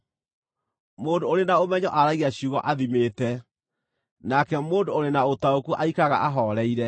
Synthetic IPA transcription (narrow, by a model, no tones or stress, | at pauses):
moːndooɾenaomɛɲɔʔaɾaɣiaɕuɣɔʔaðimetɛ | nakɛmoːndooɾenaotaokuʔaikaɣa̰ʔaɦɔɾɛiɾɛ